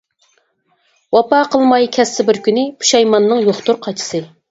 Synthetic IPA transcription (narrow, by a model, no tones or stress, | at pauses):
wɑpɑqʰəlˠmɑjkʲʰɛsːɪbɪɾkʲynɪpʰu̥ʃɛjmɑnːɨŋjoχt̪uɾqʰɑt͡ʃʰi̥sɨ